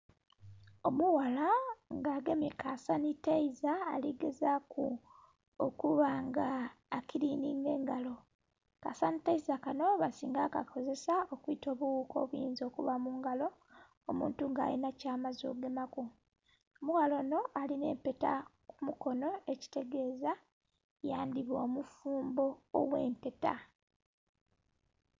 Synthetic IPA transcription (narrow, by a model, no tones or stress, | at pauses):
o̞muwalaŋɡaːɡemekasanitaiza̰ːliɡe̞zaku | okuβaŋɡaːkiɾiːniŋɡe̞ːŋɡalo̞ | kasanitaizakano̞βasiːŋɡaka̰kʰo̞ze̞sao̞kuito̞ːβuwuːko̞̰ːβwjiːnzo̞kuβamuŋɡalo̞ | omṵːntuŋɡa̰ːlḭnacaːmazo̞̰ɡemaku | muɣalo̞no̞ʔaline̞̰ːmpe̞ta̰kumuko̞no̞e̞ci̥te̞ɡe̞ːza | jaːndiβwoːmufuːmbo̞ːwḛːmpe̞ta̰